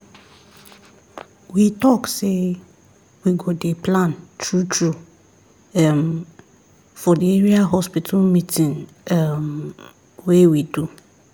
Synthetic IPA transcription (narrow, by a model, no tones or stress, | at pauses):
witʰɔkse | wiɡɔdepʰlãntʰɾutʰɾu | ɛm | fɔdɪeɾiaɦɔspitʰʊlmĩtʰĩn | m | wewidu